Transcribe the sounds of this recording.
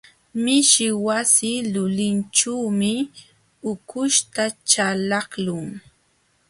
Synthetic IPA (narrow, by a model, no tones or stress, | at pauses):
mɪʃɪwasɪlʊlɪnʈ͡ʂuwmɪ | ʊkʊʃt̪at͡ʃalɑχlʊŋ